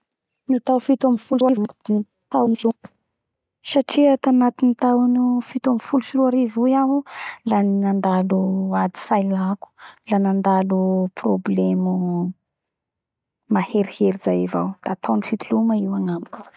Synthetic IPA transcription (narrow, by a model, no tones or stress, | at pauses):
nit̪awfit̪amifulvmd̪n | t̪awnium | saʈ͡ʂiat̪anat̪init̪awnufit̪amifuluʃiɾuaɾivujamulaninand̪aluad̪i̥sajlaku̥lanand̪aluproblemu | maheɾiheɾizajiva̰wd̪̥aːt̪awnifit̪uluməiwaŋamiku̥